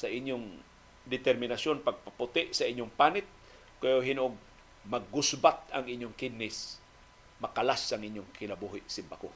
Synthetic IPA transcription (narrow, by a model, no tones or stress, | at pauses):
saʔɪɲjʊŋ | d̪ɪt̪ɛɾmɪnasjonpaɡ̚papʊt̪ɪʔsaiɲjʊŋpanɪt̪̚ | keoɦinoɡ̚ | maɡ̚ːʊsbat̪̚aŋiɲjʊŋkɪnːɪs | makalasaŋʔɪɲjʊŋkɪnabuɦɪʔsɪmbako